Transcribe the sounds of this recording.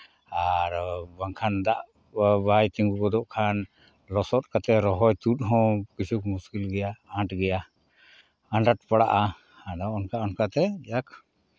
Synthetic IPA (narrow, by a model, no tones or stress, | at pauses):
aɾbaŋkʰand̪aʔ | bajt̪iŋɡuɡɔd̪ɔʔkʰan | lɔsɔt̪̚ˀkat̪ɛɾɔɦɔjt̪ut̪̚ɦɔ̃kisukmuskilɡɛjaãʈɡɛja | ãɳɖaʈ̚paɽaʔa | hadɔɔnkaɔnkat̪ɛd͡ʒak̚